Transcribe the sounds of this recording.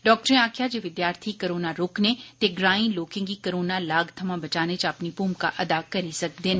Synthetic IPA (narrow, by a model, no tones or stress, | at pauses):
ɖɔːk̚ʈɾẽaːkʰjad͡ʒeʋɪd̪jaːɾt̪ʰikɐɾoːnaɾʊːknet̪eɡɾaːĩloːkɪ̃ŋɡikɐɾoːnalaːɡt̪ʰɐmãbɐt͡ʃaːnet͡ʃɐpnipuːmka̰ʔɐd̪akɐɾisɐk̚d̪ɪn